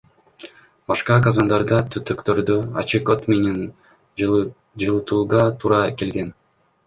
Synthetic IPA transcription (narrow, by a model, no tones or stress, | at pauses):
bɑʃqɑkɑzɑnd̪ɑɾd̪ɑt̪ʰyt̪økt̪øɾd̪øɑ̰t͡ʃɯkot̪mʲenʲen | d͡ʒɯlˠɯt̪ʰuːʁɑt̪ʰuɾɑke̞lɡe̞n